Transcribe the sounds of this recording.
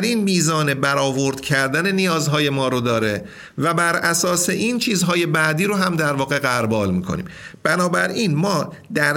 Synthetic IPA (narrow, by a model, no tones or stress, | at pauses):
ɾiːnmiːzɒːne̞bæɾɒːvo̞ɾd̪̥cʰæɾd̪æne̞nijɒːzɦɒːje̞mɒːɾod̪ɒːɾe | væbæɾæsɒːseʔint͡ʃʰiːzɦɒːje̞bæʔd̪iːɾoɦæmd̪æɾvɒːɣe̞ɣæɾbɒːlmiːkʰo̞̰nḭːmb̥ænɒːbæɾʔiːnmɒːd̪æɾ